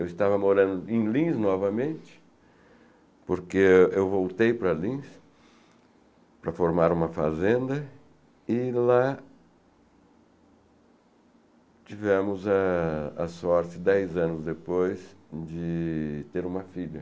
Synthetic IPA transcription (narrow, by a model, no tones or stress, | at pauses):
ewɪst̪avɐmoɾɐ̃nd̪ʊẽj̃lĩznɔvɐmẽnt͡ʃɪ̥ | poɾkeewvowt̪ejpɾɐlĩs | pɾɐfoɾmaɾũmɐfa̰zẽnd̪ɐ | ɪla | t͡ʃivɛ̃mʊzɐ̰ː | sɔɾt͡ʃɪd̪ɛjzɐ̃nʊzd̪epojsd͡ʒɪt̪eɾũmɐfiʎɐ̰